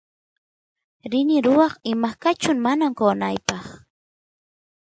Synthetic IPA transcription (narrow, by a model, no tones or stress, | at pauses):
ɾɪnɪɾʊwɑχɪmakat͡ʃʊŋmanamkoːnajpɑχ